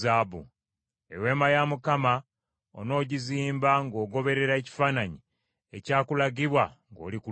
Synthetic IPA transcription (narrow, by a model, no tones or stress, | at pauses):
aːbṵ | ewe̞ːmajamukama | ono̞ːɟiziːmbaŋɡo̞ːɡo̞βe̞ɾe̞ɾaeci̥faːnaɲi | ecaːkulaɡiβwaŋɡo̞̰ːliku